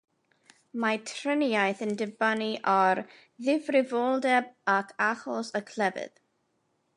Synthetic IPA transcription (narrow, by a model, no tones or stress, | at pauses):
matʰrənajθəndɪbaniʔɔɾ | ðɪvrɪvɔlˠdɛbakʰaχɔsəkʰlˠɛvɨ̰ð